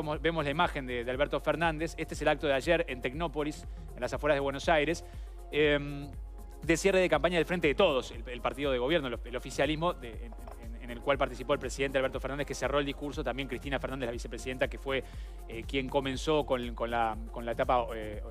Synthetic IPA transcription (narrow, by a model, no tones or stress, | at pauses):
mosbe̞mozlaimaxe̞nd̪eðealβeɾt̪o̞feɾnãnd̪esest̪eese̞lak̚t̪oðeaʒeɾent̪ekno̞po̞lis | enlasafweɾaðewenosajɾes | em | d̪esjereðekampaɲjaðelfɾent̪eet̪o̞ð̞o̞selelpaɾt̪iðo̞ð̞e̞ɣ̞o̞βjeɾnoelofisjalizmo̞e | enenelkwalpaɾt̪isipo̞elpɾesiðent̪ealβeɾt̪ofeɾnand̪ekesero̞eld̪ihkuɾso̞t̪ambje̞ŋkɾist̪inafeɾnand̪elaβisepɾesiðe̞nt̪ake̞fwe | ekje̞ŋko̞mẽ̞nso̞konkonlako̞nlaet̪apa